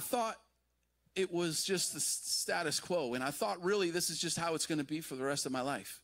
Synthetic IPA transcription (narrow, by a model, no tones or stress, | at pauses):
ɪθɔɾ | ɪʔ̚wʌzd͡ʒʌst̪̚ɨsstæɾɨskʰw̥oʊɨ̃ñaɪθɔt̚ɹɪlˠiðɪsɨzd͡ʒʌst̚haʊɨtsɡ̥ʌnɨbifə˞ðɨɹɛstʌvmaɪlaɪf